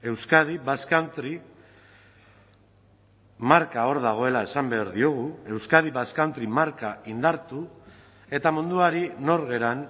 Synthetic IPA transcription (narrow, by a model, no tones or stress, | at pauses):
e̞wskaðiβaskant̪ɾi | maɾkao̞ɾðaɣ̞o̞e̞lae̞sambe̞aɾðio̞ɣ̞ue̞wskaðiβaskant̪ɾimaɾkaind̪aɾt̪u | e̞t̪amund̪uaɾino̞ɾɣe̞ɾan